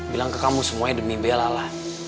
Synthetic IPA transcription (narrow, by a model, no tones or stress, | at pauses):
bilaŋkəkamusəmuaɲadəmibelalah